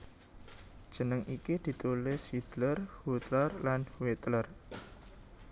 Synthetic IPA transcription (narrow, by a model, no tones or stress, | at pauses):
d̥ʒ̥ə̤nəŋʔikid̪̥i̤t̪ulɪsid̪̥lərhut̪lərlanhwet̪lər